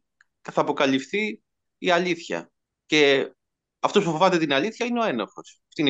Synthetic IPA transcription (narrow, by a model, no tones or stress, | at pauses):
θɐːpo̞kɐlifθi | iɐliθçɐ̰ | ce̞ | ɐft̪o̞spufovɐt̪et̪inɐliθçɐineo̞e̞nɐfo̞sɐft̪in